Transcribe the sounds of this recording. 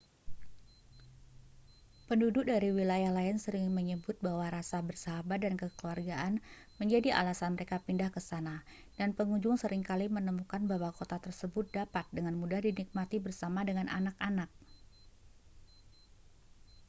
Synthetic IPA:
pəndudʊk̚daɾiwilajahlaɪnsəɾɪŋməɲəbʊt̪̚bahwaɾasabərsaɦabat̪̚dankəkluarɡaʔan | məɲd͡ʒadia̰lasanməɾekapindahkəsana | danpəŋuɲd͡ʒʊŋsəɾɪŋkalimənəmukanbawakot̪at̪ərsəbʊt̪̚dapat̪̚dəŋanmudahdinik̚mat̪ibərsamadəŋanʔanakanak̚

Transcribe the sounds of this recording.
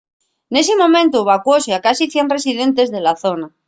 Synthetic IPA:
ne̞semõ̞mẽnt̪uβakwoseakasiθje̞nre̞siðe̞nt̪̬e̞zðe̞laθona

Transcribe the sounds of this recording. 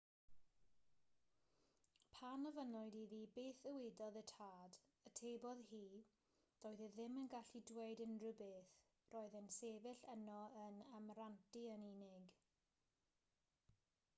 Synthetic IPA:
pʰanəvənɔɨdiðiːbeːθəwɪdɔðətʰaːdətʰeːbɔðhiː | d̥oːɨðəðɪmənɡaɬidweɨdɪnrɨbɪθ | roːɨðənseːvɪɬənɔənamrantiəniːnɪɡ

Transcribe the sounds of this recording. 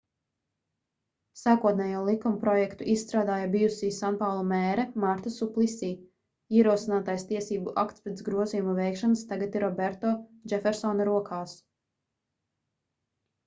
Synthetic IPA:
saːkuɔt̪nʲɛːjuɔlˠikumupɾɔjɛkt̪uʔissːt̪ɾaːd̪aːjabijusiːsanpawlˠɔmɛːɾɛmaɾt̪asuplˠisiː | iɛɾuɔsinaːt̪ajst̪iɛsiːbuʔakt̪spɾɛt̪sɡɾuɔzijumuvɛjkʃanɨst̪aɡat̪iɾɔbɛɾt̪ɔːd͡ʒɛfɛɾsɔnɐɾuɔkʰaːs

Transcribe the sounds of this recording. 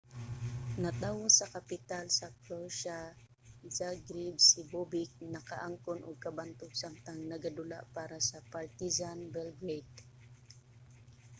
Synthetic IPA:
nɐt̪awʊsɐkɐpɪt̪alsɐkloʃa | d͡ʒaɡɾibsɪbubɪk̚nɐkaʔaŋkonʔʊ̰ɡ̚kɐbant̪ʊk̚samt̪aŋnɐɡad̪ʊla̰ʔpaːɾasɐpaɹt̪izanbɛlɡɹejt̪

